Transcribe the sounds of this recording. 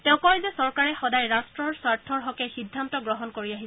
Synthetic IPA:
tɛʊ̃kɔjzɛsɔɹkaɹɛxɔdajɹastɹɔɹswaɹtʰɔɹɦɔkɛxidʱːantɔɡɹɔɦɔnkoɹiaɦisɛ

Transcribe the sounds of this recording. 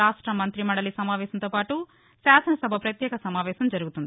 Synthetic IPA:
aːʂʈɾɐmɐnt̪ɾimɐɳɽɐlisɐmaːʋɛːsɐnt̪oːpaːʈu | saːsɐnɐsɐbʱɐpɾɐt̪jɛːkɐsɐmaːʋɛːʃɐmd͡ʒɐɾuɡut̪und̪i

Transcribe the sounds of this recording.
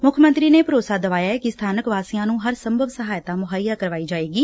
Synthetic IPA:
mʊkʰmə̃nt̪ɾiːneːpəɾoːsaːd̪əʋaːjaːɛːkɪst̪ʰaːnəkʋaːsijãːnũːɦəɾsəmbʱəʋsəɦaːjt̪ãːmʊɦaːjːaːkəɾʋaːiːd͡ʒaːeːɡiː

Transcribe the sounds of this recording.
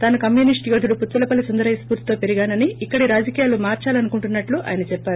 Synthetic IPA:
t̪aːnukɐmjunisʈiɡɐd̪uɽuput̪ːulɐpɐlisund̪ɐɾɐjɐspuːɾt̪i̥t̪oːpeɾiɡaːnɐniːkːɐɽiɾaːd͡ʒɐkiːjaːlumaːɾt͡ʃaːlɐnukuɳʈunːɐʈluʔa̰ːjɐnɐt͡ʃɛpːaːɾu

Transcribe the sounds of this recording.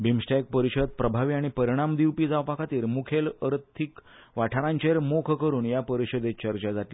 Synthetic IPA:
bimsʈajk̚pəɾiɕəd̪̚pɾəbʱaʋiaɽ̃ipəɾiɽ̃amd̪iwpiːd͡zaʋpakʰat̪iːɾmukʰeləɾt̪ʰːikʋaʈʰaɾãɲt͡ɕeɾmokʰkəɾuːɳjapəɾiɕəd̪et͡ɕəɾt͡ɕad͡zaʈl

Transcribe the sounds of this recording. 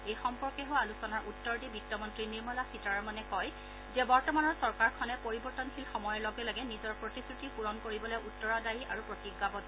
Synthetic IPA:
ejxɔmpɔɹkɛɦoalusɔnaɹʔutːɔɹdibitːɔmɔntɹiniɹmɔlasitaɹɔmɔnɛkɔj | zɛbɔɹtɔmanɔɹsɔɹkaɹkʰɔnɛpoɹibɔɹtɔnkʰilxɔmɔjɔlɔɡɛlaɡɛnizɔɹpɹotisɹutipuɹɔnkoɹibɔlɛjʔutːɔɹadaɹiʔaɹupɹotiɡabɔt

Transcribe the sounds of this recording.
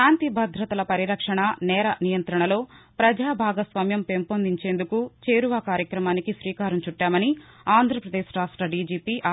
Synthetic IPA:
aːnt̪ibʱɐd̪ʱɾɐt̪ɐlɐpɐɾiɾɐkʂɐɳɐnɛːɾɐnijɐnt̪ɾɐɳɐlo̞ː | pɾɐd͡ʒaːbʱaːɡɐsʋɐmjɐmpeːmpond̪iɲt͡ʃe̞ːnd̪ukut͡ʃe̞ːɾuʋaːkaːɾjɐkɾɐmaːnikiʃɾiːkaːɾɐmt͡ʃuʈːaːmɐniaːnd̪ʱɾɐpɾɐd̪eːʃʈaːsʈɾɐɖiːd͡ʒiːpiːʔa

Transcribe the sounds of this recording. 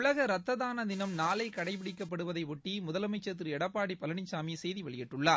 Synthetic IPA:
ʊɭɐɣɐɾɐt̪ːɐðaːnɐd̪ɪnɐmnaːlɐɪkɐɽɐɪp̬ɪɽɪkːɐpːɐɽɯʋɐðɐɪʋɔʈːimʊðɐlɐmɐɪt͡ʃːɐt̪̬ːɾɯɛɽɐpːaːɽipːɐlɐɳɪsaːmisɛjðiʋɐɭɪjɪʈːɯɭːaː

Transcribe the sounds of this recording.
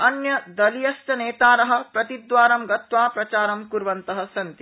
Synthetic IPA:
ɐnjɐd̪ɐlijɐsʈɐneːt̪aːɾɐɦɐ̆pɾɐt̪id̪ʋaːɾɐmɡɐt̪ʋaːpɾɐt͡ʃaːɾɐmkuɾʋɐnt̪ɐɦɐ̆sɐnt̪i

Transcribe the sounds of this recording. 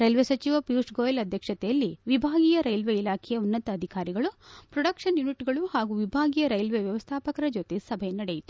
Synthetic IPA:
ɾɐjlʋesɐt͡ʃiʋɐpjuːsɡoːjɐlɐd̪ʱjɐkʂɐt̪ɛjɐlːiʋibʱaːɡijɐɾɐjlʋeilaːkʰɛjɐunːɐt̪ɐːd̪ʱikaːɾiɡɐɭupɾɔɽɐkʂɐnjuniʈɡɐɭuhaːɡuʋibʱaːɡijɐɾɐjlʋeʋjɐʋɐst̪ʰaːpɐkɐɾɐd͡ʒoːt̪esɐbʱɛjɐnɐɽejit̪u̥

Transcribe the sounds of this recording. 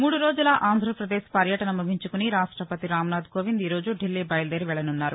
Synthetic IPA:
muːɽuɾo̞ːd͡ʒulɐʔaːnd̪ʱɾɐpɾɐd̪eːʃpɐɾjɐʈɐnɐmuɡʱiɲt͡ʃukuniɾaːʂʈɾɐpɐt̪iɾaːmnaːd̪ɡo̞ːʋind̪iːɾo̞ːd͡ʒuɖʱilːiːbɐjld̪eːɾiʋɛɭɐnunːaːɾu

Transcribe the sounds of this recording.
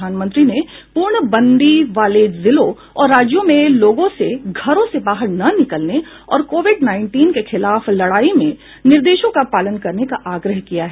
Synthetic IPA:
aːnmə̃nt̪ɾinepuːɾɳəbɐ̃nd̪iʋaːlezɪlo | ɔːɾːaːd͡ʒjõmẽloːɡõseɡʱɐɾõsebaːɦəɾnɐnɪkəlne | ɔ̰ːɾkoːʋɪɖnaːɪ̃ɳʈiːnkexɪlaːflɐɽaːimẽ | nɪɾd̪eːʃõkapaːlənkɐɾnekaʔaːɡɾəɦkijaɦɛː

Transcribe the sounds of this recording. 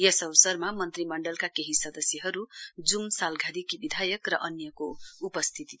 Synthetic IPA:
jʌsʌbsʌrmamʌnt̪rimʌɳɖʌlkakeɦisʌd̪ʌsjʌɦʌɾud͡zumsalɡʱad̪ikibid̪ʱajʌkrʌʔʌnjʌkoupʌst̪ʰit̪i

